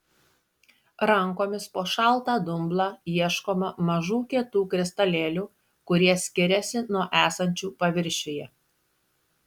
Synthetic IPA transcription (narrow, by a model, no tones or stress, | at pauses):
ɾɐŋkoːmʲɪspoːʃɐˑlˠˑt̪ɑːd̪ʊmblˠɑːjiɛʃkoːmɐmɐʒuːkʲiɛt̪uːkɾʲɪst̪ɐlʲeːlʲuː | kʊɾʲiɛsʲkʲɪɾʲɛsʲɪnuɔʔæːsɐnʲt͡ʃʲuːpɐʋʲɪɾʲʃʲejɛ